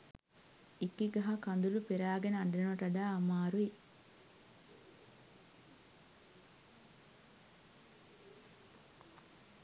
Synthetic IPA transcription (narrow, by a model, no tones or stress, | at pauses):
ikiɡɐɦɐkɐnd̪ulupeɾaːɡeneɐɳɖenuɐʈɐɖaːɐmaːɾui